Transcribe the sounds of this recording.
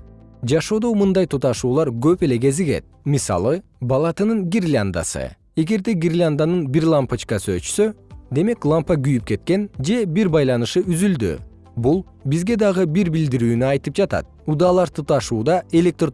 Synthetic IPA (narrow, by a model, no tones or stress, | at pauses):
d͡ʒɑʃo̞ːd̪o̞mɯnd̪ɑjt̪ʰut̪ɑʃuːlˠɑɾɡøpe̞le̞ɡe̞ziɡe̞̰t̪̚misɑ̰lˠɯ | bɑlˠɑt̪ɯnɯŋɡʲirʲlʲand̪a̰sɯ̰ | e̞ɡe̞ɾd̪e̞ɡʲirʲlʲand̪anɯnbiɾlˠampat͡ʃkɑsøt͡ʃy̥sød̪e̞me̞klˠampaɡyjyp̚ke̞t̪̚ke̞nd͡ʒe̞biɾbɑjlˠɑnɯʃɯyzyld̪y̰ | bulˠ | bizɡe̞d̪ɑʁɯbiɾbild̪iɾyːnyɑjt̪ɯp̚d͡ʒɑt̪ɑ̰t̪̚ud̪ɑlˠɑɾt̪ʰut̪ɑʃuːd̪ɑʔe̞lʲe̞k̚t̪r